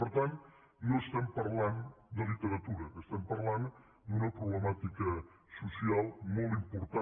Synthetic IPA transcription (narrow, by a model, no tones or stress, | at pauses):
əɾt̪an | noəst̪ɛmpəɾland̪əlit̪eɾat̪uɾəəst̪ɛmpəɾlan | d̪unəpɾoβləmat̪ikə | susialˠmolˠt̪impoɾt̪a